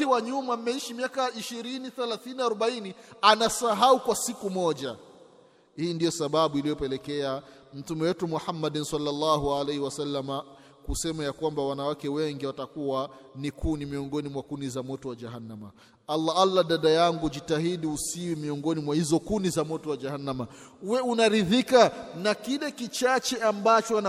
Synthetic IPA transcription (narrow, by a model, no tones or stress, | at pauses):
iwaɲumamɛiʃimiakaiʃiɾiniθɛlaθiniaɾɔɓainianasaɦaukwasikumɔʄa | hiːndijɔsaɓaɓuilijɔpɛlɛkɛam̩tumɛwɛtumuħamːaɗinsalːalːahualajhiwasalːama | kusɛmajakwambawanawakɛwɛŋɡiwatakuwanikunimiɔŋɡɔnimwakunizamɔtɔwad͡ʒaɦanːama | alːaalːaɗaɗajaŋɡud͡ʒitahiɗiusiwimiɔŋɡɔnimwahizɔkunizamɔtɔwad͡ʒahanːama | uwɛunaɾiðikanakilɛkit͡ʃat͡ʃɛambat͡ʃɔana